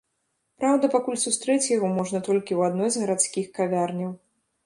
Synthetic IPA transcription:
pɾawd̪ɐpakulʲsust̪ɾɛt͡sʲjaɣɔmɔʐnɐt̪ɔlʲkʲiwad̪nɔjzɣɐɾat̪skʲixkavʲarnʲɐw

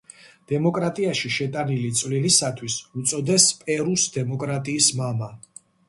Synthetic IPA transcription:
d̪̥ɛmɔkʼɾat̪ʼiaʃiʃɛt̪ʼanilit̪sʼvlilisat̪ʰwisut̪sʼɔd̪ɛspʼɛɾusd̪ɛmɔkʼɾat̪ʼiːsmama

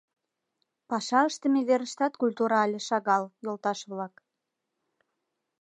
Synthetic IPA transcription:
pɑʃɑəʃt̪ə̆med̪eɾəʃt̪ɑt̪kulʲt̪uɾɑlʲĕʃɑɣɑljolˠt̪ɑʃβlɑk

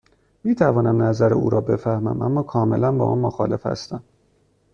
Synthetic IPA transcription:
miːt̪ʰævɒːnæmnæzæɾeṵːɾʔɒːbe̞fæhmæ̰mʔæ̰mːɒːkʰɒːme̞̰lænbɒ̰ʔæ̰nmoxɒ̰ːle̞fhæ̰st̪æm

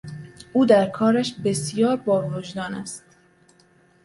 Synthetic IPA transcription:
uːd̪æɾkʰɒːɾæʃbesijɒːɾbɒːrod͡ʒd̪ɒːnæst̪

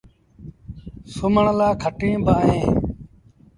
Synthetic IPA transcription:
sʊməɳlaːkʰəʈẽːbaːɦẽː

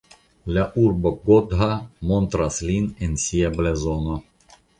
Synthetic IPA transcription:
laʔuɾboɡod̪ɦamont̪ɾaslinensiablezono

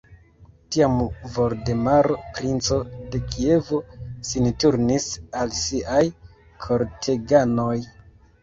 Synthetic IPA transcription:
tiamvo̞ɾde̞maɾo̞pɾint͡so̞de̞kie̞vosintuɾnisalsiʔaj | kʰo̞ɾtʰe̞ɡano̞j

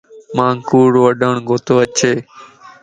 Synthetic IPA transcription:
mãːŋkuːɽːəɖəɳɡoːt̪oːət͡ʃʰeː

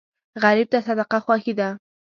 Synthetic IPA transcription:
ɢɑɾɪp̚t̪asad̪ɑqɑxwaxɪd̪a

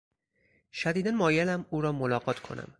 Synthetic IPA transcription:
ʃæd̪iːd̪ænmɒːjelæmuːɾɒːmolɒːɡɒːt̪ʰkʰo̞̰næ̰m

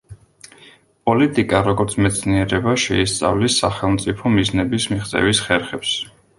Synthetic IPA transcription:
pʼɔlit̪ʼikʼaɾɔɡɔɾt̪sʰmɛt̪sʰniɛɾɛbaʃɛist̪sʼa̰vlisːaχɛlˠmt̪sʼipʰɔmiznɛbismiχt̪sʼɛ̰visχɛɾχɛps

